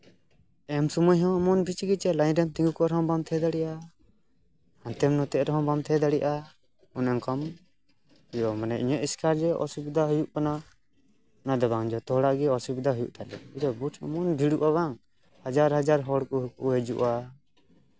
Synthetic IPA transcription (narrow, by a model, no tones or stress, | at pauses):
ɛmsumujɦɔ̃ɔmɔnbʱit͡ʃɡit͡ʃɛlajnɾɛmt̪iŋɡukɔaɾɛɦɔ̃bamt̪ʰɛd̪aɽɛʔa | hãnt̪ɛmnɔt̪ɛʔɾɛɦɔ̃bamt̪ʰɛd̪aɽɛjʔa | ɔnɛŋkɔm | hujʔɔmanɛʔiɲɛʔiskaɾd͡ʒɛʔɔ̰subid̪aɦujuʔkana | nad̪ɔbaŋd͡ʒɔt̪ɔɦɽaʔɡɛɔsubid̪aɦujṵʔt̪alɛ̰id̪ɔbuʈʰɔ̰mɔnbʱiɽuʔaβaŋ | had͡ʒaɾɦad͡ʒaɾɦɔɽkɔɦukṵʔɦɛd͡ʒuʔa